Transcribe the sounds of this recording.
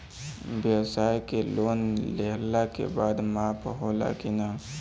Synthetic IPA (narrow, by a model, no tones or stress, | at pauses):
bjəwsaːjkeloːnleɦlakḛbaːd̪maːpɦoːla̰kina